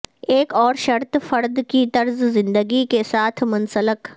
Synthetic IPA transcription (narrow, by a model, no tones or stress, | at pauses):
eːkɔːɾʃɐɾt̪fɐɾd̪kit̪ɐɾzzɪ̃nd̪əɡikesaːt̪ʰmɐ̃nsələk